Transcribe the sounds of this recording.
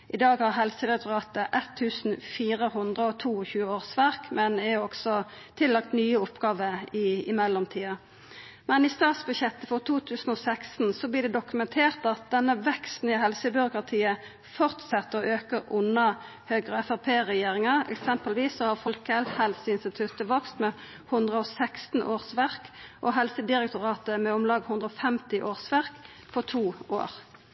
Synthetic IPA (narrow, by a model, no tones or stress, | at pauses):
ʔɪd̪ɑːɡhɑʁɦɛlsəʁɛt̪ʊʁɑːt̪əʔɛt̪ʰːʉːsn̩fiːɾəhʊnd̪ʁəɔt̪ʰuːɔçʉːəoːʁsʋæʁkmɛnɛæɔksɔ | t̪ʰɪlːɑk̚t̪nyːəʊpɡɑːʋəɪɪ̰mɛlːɔmt̪ʰiːɑ | mɛnɪst̪ɑːt̪sbʉɕjɛt̪ːəfɔʁt̪ʰuːt̪ʰʉːsn̩ɔːsækst̪n̩sɔbliːd̪ɛd̪ʊkʉmɛnt̪ʰeːʁt̪ɑt̪̚d̪ɛnːəʋɛkst̪n̩ɪhɛlsəbʏɾʊkɾɑt̪ʰiːə | fɔʁt̪sɛt̪ːəɔʔøːkəʁʔʊnɑ | høːɡʁəɛfɑpʰeːʁɛjeːʁɪŋɑɛ̰ksɛmpəlʋiːsːɔhɑʁfɔlkəlhɛlsəɪnst̪ɪt̪ʰʉt̪əʋɔkst̪mɛ | hʉnd̪ʁəɔsɛkst̪n̩ʔoːʁsʋæʁkʔɔɦɛlsəd̪ɪʁɛk̚t̪ʊʁɑːt̪əmɛɔmlɑːɡhʉnd̪ʁəɔfɛmt̪ɪʔoːʁsʋæʁk | fɔʁt̪ʰuːʔo̰ːʁ